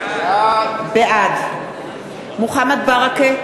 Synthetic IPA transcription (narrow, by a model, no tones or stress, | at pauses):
beʔad̪ | muχamad̪̚baʁake